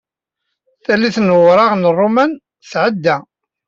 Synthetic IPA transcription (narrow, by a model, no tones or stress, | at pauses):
θælːiθnəʁɾˤɑʁnərˤːʊmæn | θʕəd̪ːæ